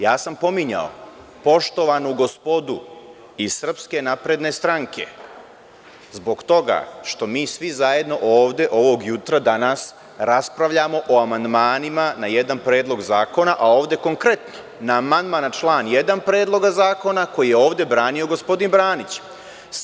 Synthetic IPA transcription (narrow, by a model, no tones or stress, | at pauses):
jaːsampo̞miɲa̰o̰ | po̞ʃt̪o̞ʋanoɡo̞spo̞d̪u | isr̩pske̞napɾe̞d̪ne̞st̪ɾaŋkʰe̞̰ | zbo̞ɡt̪o̞ɡa̰ʃt̪o̞miːsʋizaje̞d̪no̞ʔo̞ːʋd̪e̞ʔo̞ʋo̞ɡjut̪ɾad̪anas | ɾaspɾaʋʎamo̞ʔoamand̪maːnimanajed̪anpɾe̞ːd̪lˠo̞ɡzaːko̞naʔao̞ːʋd̪e̞ko̞ŋkɾe̞t̪ni | naːmand̪manat͡ʃlˠaːnje̞d̪anpɾe̞ːd̪lˠo̞ɡazaːko̞nako̞jijeo̞ːʋd̪e̞bɾaːnio̞ɡo̞spod̪inbɾaːnit͡ɕ